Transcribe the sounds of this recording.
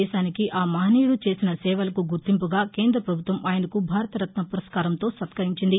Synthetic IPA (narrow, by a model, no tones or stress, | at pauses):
ɛːʃaːnikiʔʔaːmaːniːɽut͡ʃe̞ːsinɐsɛːʋɐlɐkuɡuɾt̪impuɡaːke̞ːnd̪ɾɐpɾɐbʱut̪ʋɐmʔaːjɐnɐkubʱaːɾɐt̪ɐɾɐt̪nɐpuɾɐskaːɾɐmt̪o̞ːsɐt̪kɐɾiɲt͡ʃind̪i